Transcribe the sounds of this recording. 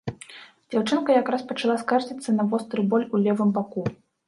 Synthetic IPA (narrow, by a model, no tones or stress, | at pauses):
d͡zʲawt͡ʂɨnkɐjakɾaspɐt͡ʂalˠaskard͡zʲit̪sːɐnɐvɔst̪ɾɨbɔlʲulʲɛvɨmbaku